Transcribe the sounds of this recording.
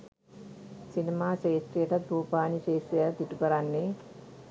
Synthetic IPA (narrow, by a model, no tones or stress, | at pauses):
sinemaːseːsɾijəʈɐt̪ɾuːpaːniseːsɾijət̪iʈukəɾanːe